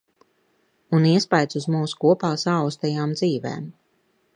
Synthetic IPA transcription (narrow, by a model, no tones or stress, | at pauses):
uniɛspajt̪suzmuːsu̥kuɔpaːsaɔwst̪ɛjaːmd̪ziːvɛ̰ːm